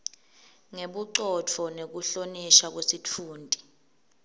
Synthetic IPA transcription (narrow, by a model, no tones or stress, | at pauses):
ŋeɓuǃɔt͡fʰɔnek̬uɬoniʃak̬wesitʰuːndʱʼi